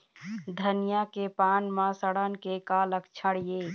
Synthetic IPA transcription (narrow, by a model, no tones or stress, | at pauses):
d̪ʱənijakepaːnmãsəɽənkekaːləkt͡ʃʰəɽijeː